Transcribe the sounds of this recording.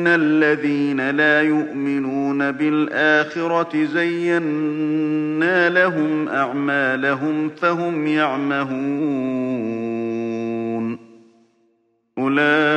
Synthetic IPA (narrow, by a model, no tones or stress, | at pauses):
nalːaðiːnalaːjʊʔmɪnuːnabɪlʔaːxɪɾˤɑɪzajːanː | aːlaɦʊmʔaʕmaːlaɦʊmfaɦʊmjaʕmahuː | n | ʔʊlaː